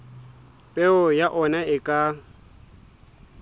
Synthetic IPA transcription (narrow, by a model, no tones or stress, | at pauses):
pʼeʊjaʔɔnaɪkʼa